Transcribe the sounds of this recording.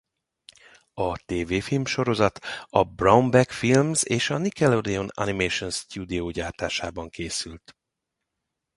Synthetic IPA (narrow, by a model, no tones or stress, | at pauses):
ɒt̪eːveːfilmʃo̞ɾo̞zɒt̪ɒbraumbɛkfilmzeːʃɒnikɛlod̪ɛonɒ̰nimeʃonst̪ud̪ioːɟaːrt̪aːʃaːbɒŋkeːsylt̪